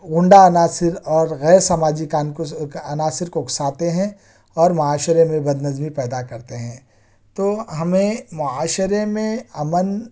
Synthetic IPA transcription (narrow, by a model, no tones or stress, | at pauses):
ɣʊ̃ɳɖaɐnaːsɪɾɔːɾɣɛːɾsaːmaːd͡ʒikanɐnaːsɪɾkoksaːt̪eɦɛ̃ | ɔːɾmʊaːʃɾemẽbɐd̪nɐzmipɛːd̪akɐɾt̪eɦɛ̃ː | t̪oːɦɐmẽmʊaːʃɾemẽɐmən